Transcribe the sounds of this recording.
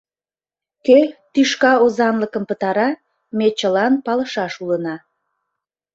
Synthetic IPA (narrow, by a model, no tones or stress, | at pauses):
køt̪yʃkɑozɑnləkəmpət̪ɑɾɑ | met͡ɕəlɑnpɑləʃɑʃulənɑ